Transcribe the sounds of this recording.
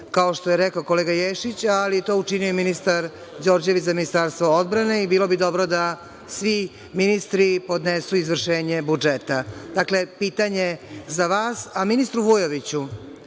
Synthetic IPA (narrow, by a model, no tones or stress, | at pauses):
kaoʃt̪ojeɾɛkaoko̞leɡajeʃit͡ɕalijet̪o̞ut͡ʂinijojminist̪aɾ | d͡ʑo̞ːɾd͡ʑe̞ʋit͡ɕzaminist̪aːɾst̪ʋood̪bɾane̞ibiːlo̞bid̪o̞bɾod̪a | sʋi | minist̪ɾipo̞d̪nesuizʋr̩ʃeːɲebud͡ʒet̪ad̪akle̞piːt̪aɲezaʋaːsaminist̪ɾuʋujoʋit͡ɕu